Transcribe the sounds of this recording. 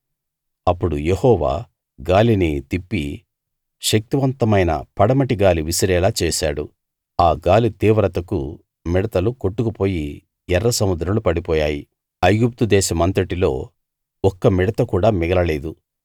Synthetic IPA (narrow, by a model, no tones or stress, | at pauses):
ɐpːuɽujehɔːʋa̰ː | ɡaːlinit̪ipːi | ʃɐk̚t̪uʋɐnt̪ɐmɐjnɐ̰pɐɽɐmɐʈiɡaːliʋisɐɾɛːlaːt͡ʃɛːʃa̰ːɽṵ | aːɡaːlit̪iːʋɾɐt̪ɐkṵ | mɛɽɐt̪ɐluko̞ʈːukupo̞ːji | ɛrːɐsɐmud̪ɾɐmlupɐɽipɔːjaːji | ɐjɡup̚t̪ud̪ɛːʃɐmɐnt̪ɐʈilo̞ː | ɔkːɐmɛɽɐt̪ɐkuːɽaːmɛɡɐlɐleːd̪u